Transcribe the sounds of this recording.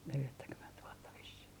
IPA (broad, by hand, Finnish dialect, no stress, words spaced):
neljætːækyment ʋuotːɑ ʋisːih